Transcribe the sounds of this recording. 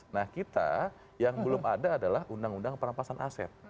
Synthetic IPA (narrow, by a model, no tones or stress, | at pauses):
nahkit̪a̰ | jaŋbəlʊmadaːdalahundaŋundaŋpəɾampasanʔa̰sɛ̰t̪̚